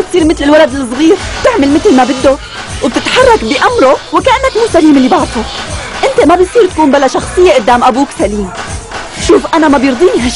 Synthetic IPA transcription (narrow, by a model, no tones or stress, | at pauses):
ɪk̚t̪iːɾmɪt̪lɪlwalad̪ɪlɨsˤɣiːɾb̚t̪ɪʕmalmɪt̪lmabɪd̪ːo | wb̚t̪ɪt̪ħɑrˤːɑkbɪʔamɾowɪkaʔanːakmuːsaliːmɪlːibaʕd̪ˤoʔɪnt̪emabɪt̪sˤiːɾt̪ḁkuːnbalaʃɑxsˤɨjːeʔʊd̪ːaːmʔabuːksaliːm | ʃuːfʔanamabjɨɾˤd̪ˤiːniɦa